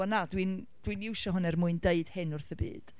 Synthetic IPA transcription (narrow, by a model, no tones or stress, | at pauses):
ɔnadwind̥winɪwʃɔɦʊnɛrmʊɨndeɨd̥hɪnʊrθəbḭːd̥